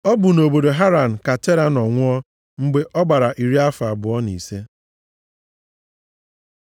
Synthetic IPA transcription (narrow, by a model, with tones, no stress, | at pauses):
ɔ˦bʊ˨no˨bo˨do˨ɦa˦ɾa˨n̩˨ka˨te˦ɾa˨nɔ˨ŋʷʊ˦ɔ˦ | ŋ͡m̩˦ɡ͡be˦ʔɔ˦ɡ͡ba˨ɾa˨ʔi˨ɾi˦a˦fa˨bʊ˨ɔ˦nḭ˨se˦